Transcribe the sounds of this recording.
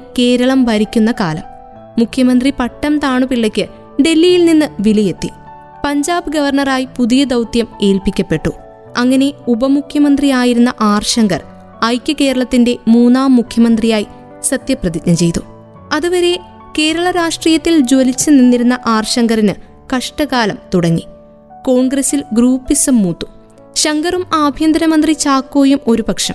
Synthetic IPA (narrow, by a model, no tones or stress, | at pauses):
ke̞ːɾɐɭɐmʋɐɾikʲːunːɐkaːlɐmː | ukʰjɐmɐnd̪ripɐʈːɐmt̪aːɳupiɭːɐkʲːɨ | ɖe̞lːijilninːɨʋilije̞t̪ːi | pɐɲd͡ʑaːbɨɡɐʋɐrɳɐraːjipuðijɐd̪ɐwt̪jɐme̞ːlpikʲːɐpːe̞ʈːu | ɐŋːɐne̞ubɐmukʰjɐmɐnd̪rijaːjiɾunːɐʔaːrʂɐŋɡɐr | ɐjkʲːɨke̞ːɾɐɭɐt̪ːinde̞muːnːaːmːukʰjɐmɐnd̪rijaːji | sɐt̪jɐprɐðidnɐt͡ɕe̞jt̪u | ɐðuʋɐɾe̞ | ke̞ːɾɐɭɐɾaːʂʈriːjɐt̪ːild͡ʑo̞lit͡ɕːɨninːiɾunːɐʔaːrʂɐŋɡɐrinɨ | kɐʂʈɐɣaːlɐmt̪uɽɐŋːi | ko̞ːɳɡrɐsilɡruːpːisɐmːuːt̪ːu̥ | ɕɐŋɡɐrumaːbʱjɐnd̪ɐnɐmɐnd̪rit͡ɕaːkːo̞ːjumo̞ɾubɐkʂɐm